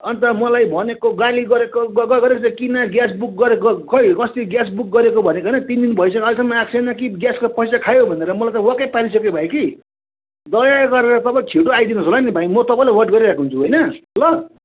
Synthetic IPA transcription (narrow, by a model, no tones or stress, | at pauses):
ʌnit̪ʌmʌlajbʱʌnekoɡaliɡʌɾekoɡʌɡʌɡʌɾekosãkinaɡjas̬buk̚ɡʌɾeʌkʌjkʌst̪iɡjasbuk̚ɡʌɾekobʱʌnekoɦʌnʌt̪ind̪inbʱʌjsʌkʌlisʌmːʌaksʰenʌkiɡjaskopʌjsakʰajobʱʌneɾʌmʌlajt̪ʌwʌkʌpaɾisʌkebʱajki | d̪ʌjaɡʌɾeɾʌt̪ʌbʌkʰiʈoajd̪inʌsolanibʱajmʌt̪ʌpãj̃lewʌrʈɡʌɾiɾakoɦunt͡sʰuɦojnʌlʌ